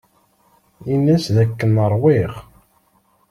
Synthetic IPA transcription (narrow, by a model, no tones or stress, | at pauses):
inːæsðækːənəɾˤwiʁ